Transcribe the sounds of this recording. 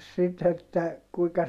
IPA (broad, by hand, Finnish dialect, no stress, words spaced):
sit etːæ kuikɑ